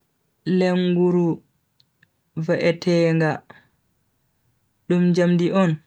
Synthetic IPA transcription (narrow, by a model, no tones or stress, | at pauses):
lɛŋɡuɾu | vaʔɛtʰɛŋɡa | ɗumd͡ʒamdiʔɔn